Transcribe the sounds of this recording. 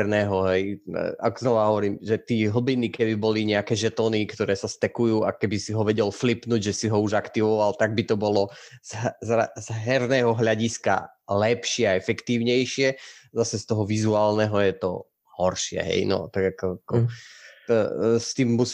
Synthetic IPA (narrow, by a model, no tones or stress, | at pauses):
ɾnɛːɦɔɦɛj̰aɡznɔʋaɦɔʋɔɾiːmʒɛt̪iːɦl̩binikɛbibɔliɲɛakɛːʒɛt̪ɔnikt̪ɔɾɛːsast̪ɛkujuːakɛbisiɦɔʋɛɟɛlflipnuːɟʒɛsiɦɔuʒakt̪iʋɔʋalt̪aɡ̚bit̪ɔbɔlɔzɦzazɦɛɾnɛːɦɔɦʎaɟiska̰ | lɛpʃɪɛaɛfɛkt̪iːʊɲɛjʃɪɛzasɛst̪ɔɦɔʋizuaːlnɛɦɔjɛt̪ɔ | hɔɾʃɪɛ̰ɦɛ̰jnɔ̰t̪aɡakɔkɔ | st̪iːmːus